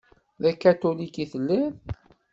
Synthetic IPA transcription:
ðækːæt̪ulikiθəlːæn

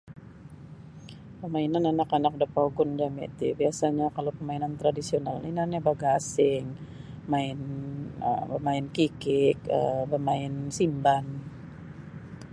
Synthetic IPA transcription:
pəmainananakanak̚dapauɡʊnd͡ʒamɛ̰t̪ḭbiasaɲakalowpəmainant̪ɾadisionalninanabaɡaːsɪŋ | maɪnə̰bəmaɪnkikɪk̚ə̰bəmaɪnsimban

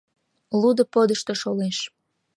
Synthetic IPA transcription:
lud̪ə̆pod̪əʃt̪eʃoleʃ

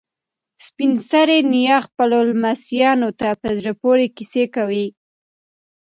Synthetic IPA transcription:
spinst̪aɾenijɑxpalolmasjɑnot̪apəzɾapoɾekisekawi

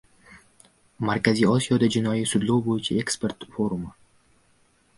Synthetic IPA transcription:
maɾkʲazʲijɒsʲijod̪ad͡ʒɪnɒjɪsʊd̪lˠowbojɪt͡ʃʰaekspʲe̞ɾt̪foɾumɨ

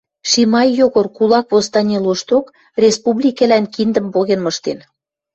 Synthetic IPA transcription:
ʃimɑjːoɣorkulɑkβost̪ɑnʲeloʃt̪ok | rʲespuβlʲikelænkind̪ə̆mpoɣenmɤ̆ʃt̪en

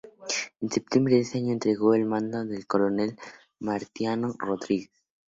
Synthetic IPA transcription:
ensep̚t̪jembɾeðeseɲoent̪ɾeɣoelmãnd̪oðelkolonel | maɾt̪janoroðɾiɣes

